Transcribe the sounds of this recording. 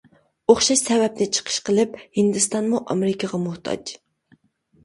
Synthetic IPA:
oχʃɑʃsɛvɛp̚nɪt͡ʃʰə̥qʰə̥ʃqʰəlˠɨp̚hɪnd̪ɨst̪ɑnmuʔɑ̰mɪɾɪkʰɑʁɑmʊht̪ʰɑ̰d͡ʒ

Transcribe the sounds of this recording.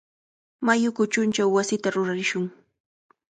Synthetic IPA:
majʊkʊt͡ʃʊnt͡ʃawːasɪt̪aɾʊɾaɾɪʃʊŋ

